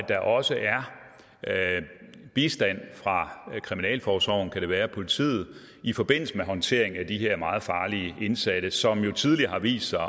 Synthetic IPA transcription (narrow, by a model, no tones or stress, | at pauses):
d̥ɑ̈ʔɒ̽səʔæɐ | b̥isd̥æn̰fʁɑ̈kʰʁiminɛ̰ːlfɒːsʋɒʊ̰n̩kʰæɾ̥e̝ʋæːɐpʰo̝lit͡sʰḭːð̩ˠ | ifɒ̽b̥e̝n̰l̩səmeɦɒ̽nt͡sʰe̝̰ɐe̝ŋ̩æd̥iɦe̝ɐ̰mɑ̈ːð̞̩ˠfɑ̈ːliəe̝nsæɾ̥əsɒ̽mjo̝t͡sʰið̞ˠliɐhɑ̈ʋḭːsd̥sɑ̈ɪ